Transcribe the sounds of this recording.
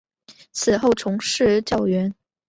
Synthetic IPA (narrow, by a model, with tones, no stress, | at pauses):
t͡sʰɹ̩˨˩xo˥˩ʊt͡sʰʊ˧˥ŋʂɻ̩˥˧t͡ɕjɑ˥˩ʊɥɛ˧˥n